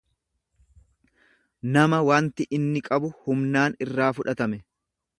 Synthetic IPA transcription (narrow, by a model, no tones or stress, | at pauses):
nɐmɐwaːnt̪ɪʔɪnːɪkʼɐbʊhʊmnaːnɪrːaːfʊᶑɐt̪ɐmɛ